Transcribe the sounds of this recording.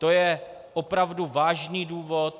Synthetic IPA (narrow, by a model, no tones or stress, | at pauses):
t̪ojɛ | ʔopɾavduvaːʒniːduːvo̞t̪̚